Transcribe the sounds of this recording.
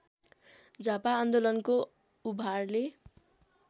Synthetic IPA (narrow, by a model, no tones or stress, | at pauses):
d͡zapaːnd̪olʌnko | ubʱarle